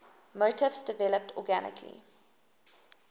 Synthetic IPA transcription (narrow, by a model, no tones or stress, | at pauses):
motɪvsdəvɛləp̚tʰɔɡænɪ̰kʰlḭ